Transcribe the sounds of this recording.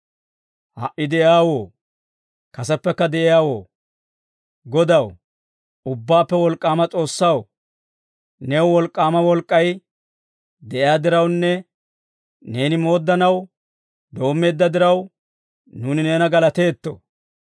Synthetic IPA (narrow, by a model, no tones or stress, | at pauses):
hɐ̰ʔɪd̪ɛʔjaːwoː | kɐsɛpːɛkːɐd̪ɛʔɪjaːwo̞ː | ɡɔd̪ɐw | ʊbːaːpːɛwɔlkʼːaːmɐt͡sʼo̞ːsːɐw | newwɔlkʼːaːmɐwɔlkʼːɐj | d̪ɛʔɪjaːd̪ɪɾɐwnːɛ | ne̞ːnɪmo̞ːd̪ːɐnɐw | d̪o̞ːmːe̞ːd̪ːɐd̪ɪɾɐw | nuːnɪne̞ːnɐɡɐlɐt̪e̞ːt̪ːo̰